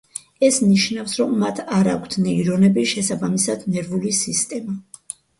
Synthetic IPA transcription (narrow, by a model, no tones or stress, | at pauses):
ɛsniʃnafsɾɔmːat̪ʰaɾakʷʰt̪ʰnɛiɾɔnɛbiʃɛsabamisad̪nɛɾvulisist̪ʼɛma